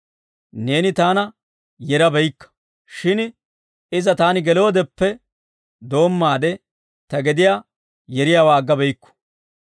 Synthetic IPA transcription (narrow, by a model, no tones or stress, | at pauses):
ne̞ːnɪt̪aːnɐ | jɛɾɐbɛjkːɐ̥ | ʃɪn | ɪzɐt̪aːnɪɡɛlo̞ːd̪ɛpːɛ | d̪o̞ːmːaːd̪ɛ | t̪ɐɡɛd̪ɪjaː | jɛɾɪjaːwaːɡːɐbɛjkːɔ̥